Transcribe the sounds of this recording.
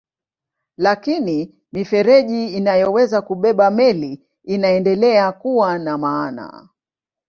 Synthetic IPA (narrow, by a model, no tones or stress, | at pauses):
lakini | mifɛɾɛʄiːnajɔwɛzakuɓɛɓamɛli | inaɛndɛlɛakuwanamaːna̰